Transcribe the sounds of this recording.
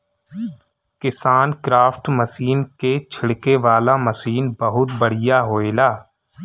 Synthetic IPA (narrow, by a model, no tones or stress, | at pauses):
kɪsaːnkɾaːfʰʈməsiːnket͡ʃʰɪɽkeʋaːlaməsiːnbəɦʊt̪̚bəɽ̤ɪjaɦoːeːlaː